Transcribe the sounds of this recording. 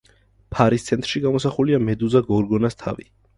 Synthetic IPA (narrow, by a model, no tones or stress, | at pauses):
pʰaɾist̪sʰɛnt̪ʰʼɾʃiɡamɔsaχuliamɛd̪uzaɡɔɾɡɔnast̪ʰa̰vi